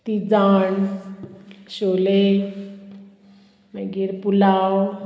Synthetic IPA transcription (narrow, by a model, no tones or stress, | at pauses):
t̪id͡zaɳ | ɕole | maɡiɾpulaw